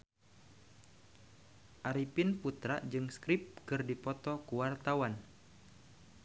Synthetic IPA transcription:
ʔaɾipɪnput̪ɾad͡ʒɨŋskɾɪp̚kɨrdipɔt̪ɔkuwart̪awan

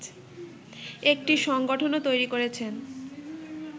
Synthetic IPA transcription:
ek̚ʈiʃɔŋɡoʈʰonot̪ojɾikoɾet͡ɕʰen

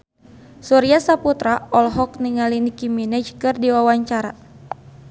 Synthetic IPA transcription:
suɾiasaput̪ɾaɔlɦɔk̚niŋalinikiminɛd͡ʒkɨrdiwawaɲt͡ʃaɾa

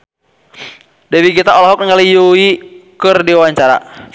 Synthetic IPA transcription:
dɛwiɡit̪aɔlaɦɔk̚ŋalijuikɨrdiwaɲt͡ʃaɾa̰

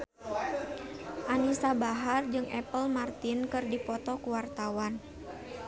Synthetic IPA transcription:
ʔanisabaɦard͡ʒɨŋʔɛpəlmart̪inkɨrdipɔt̪ɔkuwart̪awan

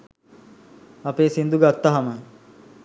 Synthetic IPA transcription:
ɐpeːsind̪uɡat̪ːaɦamə

